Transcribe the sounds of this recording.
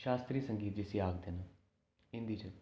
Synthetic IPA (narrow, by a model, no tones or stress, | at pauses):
ʃaːst̪ɾiːsəŋɡiːt̪̚d͡ʒɪsiːaːɡd̪eːnũː | ɪ̃nd̪iːt͡ʃə